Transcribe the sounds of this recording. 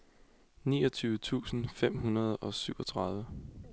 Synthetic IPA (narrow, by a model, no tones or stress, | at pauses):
nḭːɒt͡sʰyːʋət͡sʰṵːsn̩fem̰ɦunɐð̞ˠɒ̽syʊɒ̽t͡sʰʁɑ̈ðˠʋə